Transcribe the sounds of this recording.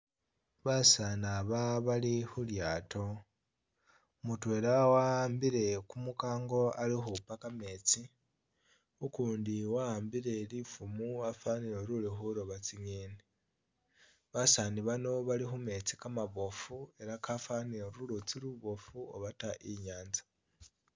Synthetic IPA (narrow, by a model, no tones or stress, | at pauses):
βasanaβaβalixuljaːto̞ | mutwe̞ːlawambiɾe̞kumukaːŋɡo̞alixupakame̞t͡si | ukuːndiwaːmbiɾe̞lifumuafanioɾulixuɾoβat͡siɲeːni | βasaniβano̞βalixume̞t͡si̥kamaβo̞fue̞ɾakafanioɾulot͡siɾuβo̞fuoβataʔiɲaːnzḁ